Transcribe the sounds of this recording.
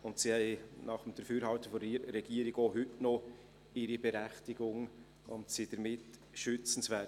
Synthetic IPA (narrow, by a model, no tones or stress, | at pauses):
ʊntsihɛɪnɑχəmd̥əɾfyːɾhɑwtəfɔiɾɛɡiəɾiɡoɦʏtnɔ | ɪɾibɛɾæχtiɡʊŋ | ʊntsid̥əɾmɪt | ʃʏt͡sən̩svɛː